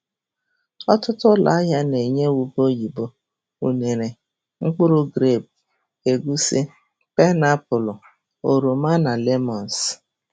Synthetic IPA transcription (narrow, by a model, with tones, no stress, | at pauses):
ɔ˦tʊ˦tʊ˦la̰˨˦a˦ɦa˦ne˨ɲe˦wu˦bo˦ji˨bo˦ | u˨ne˨ɾe˨ | ŋ͡m̩˦k͡pʊ˦ɾʊ˦ɡɾe˦˨b̚ | e˨ɡu˦sɪ˦ | pɛ˦na˦pʊ˨lʊ˨ | o˨ɾu˨ma˦na˨le˦mɔ˨n˨s